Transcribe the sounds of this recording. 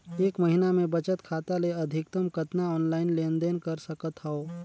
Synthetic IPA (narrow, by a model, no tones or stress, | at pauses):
eːkməɦɪnamẽbɐt͡ʃət̪kʰaːt̪aleɐd̪ʱɪk̚t̪əmkɐt̪naɔːnlaːɪnlẽːnd̪enkɐɾsɐkət̪ɦaoː